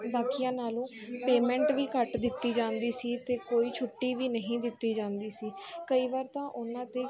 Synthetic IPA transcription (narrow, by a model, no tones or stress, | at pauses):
baːkijãːnaːlõː | peːmɛ̃ːɳʈʋiːkəʈd̪ɪt̪ːiːd͡ʒãːnd̪iːsiːt̪eːkoːiːt͡ʃʰʊʈːiːʋiːnəɦĩːd̪ɪt̪ːiːd͡ʒãːnd̪iːsiːkəiːʋaːɾt̪ãːʔʊnãːt̪eː